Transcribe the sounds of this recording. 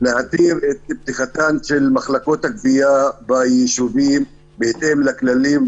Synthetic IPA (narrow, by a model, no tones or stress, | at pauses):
leʕat̪iɾet̪̚b̚t̪iχat̪anʃelmaχlakot̪hak̚bijabajeʃuvim | bet̪emlaklalim